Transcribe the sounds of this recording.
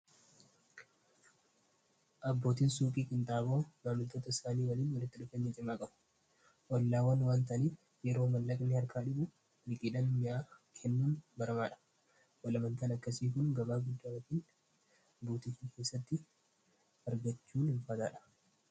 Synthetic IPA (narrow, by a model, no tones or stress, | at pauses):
ʔɐbːo̞ːt̪iːnsuːpʼiːkʼɪnt̪ʼaːboːɡalʊt̪oːt̪ɐɪsaːniːwɐliːnwɐlɪt̪ːɪᶑʊfeɲːɐt͡ʃʼɪmaːkʼɐbʊ̥ | ʔɔlːaːwɐnwaːnt̪ɐʔːniːf | jɛɾo̞ːmɐlːɐkʼnɪhɐɾkʰaːᶑɪbʊ | nɪkʼɪᶑɐnmɪjaːkʰɛnːuːnbɐɾɐmaːᶑɐ̥ | wɐlɐmɐnt̪ɐnɐkːɐsiːkʊŋɡɐbaːɡʊd̪ːaːɐt̪iːn | buːt̪ikɪkʰe̞ːsːɐt̪ːɪ | ɐɾɡɐt͡ʃːuːnɪlfɐt̪aːᶑɐ̥